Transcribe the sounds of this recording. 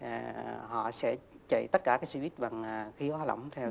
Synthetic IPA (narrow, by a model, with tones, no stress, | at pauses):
ɦɔ̰˧˨sɛ̰˧˥ | t͡ɕə̰˧˨jt̪ə˦˥t̚kaː˧˩kaː˨˦jsi˧vi˦˥t̚ɓa˨˩ŋ˩xi˨˦əwhaː˧lə̰˧˨wŋ͡mt̪ʰɛ˧w